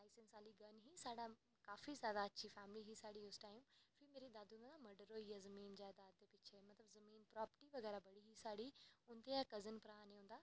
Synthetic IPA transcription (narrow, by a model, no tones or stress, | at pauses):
laːɪsɪnsaːliɡɐnɦisaːɽa | kaːfizaːd̪aɐt͡ɕʰifɛːmliɦisaːɽiʊsʈaːɪmfimeːɾid̪aːd̪ũnad̪amɐɖəɾoijazɐmiːnd͡ʑaːd̪aːd̪epɪt͡ɕʰemɐt̪ləbzɐmiːnpɾɔːpəʈiʋɐɣɛːɾabɐɽiɦisaːɽiʊ̃nt̪eãkɐzənpɾaːneɦũːnd̪aː